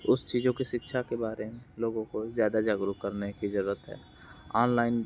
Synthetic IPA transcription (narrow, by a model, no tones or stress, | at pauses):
ʊst͡ʃiːd͡ʒõkiʃɪtːʃʰakebaːɾemẽloːɡõkozjaːd̪ad͡ʒaːɡɾukəɾnekid͡ʒɐɾuːɾət̪ɦɛ̰ː | ɔːnlaːɪn